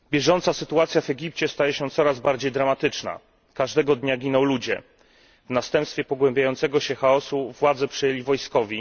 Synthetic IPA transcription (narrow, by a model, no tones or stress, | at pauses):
bʲjɛʐɔnt̪sasɘt̪uat̪sʲjavɛɡʲip̚t͡ɕɛst̪ajɛɕɛt̪sɔɾazbaɾd͡ʑejd̪ɾamat̪ɘt͡ʂna̰ | kaʐd̪ɛɡɔd̪ɲaɡʲinɔ̃w̃lud͡ʑɛ̰ | vnast̪ɛ̃mpst̪fʲjɛpɔɡwɛmbʲjajɔnt̪sɛɡɔɕɛxaɔsuvwad̪zɛpʂjɛlʲivɔjskɔvʲi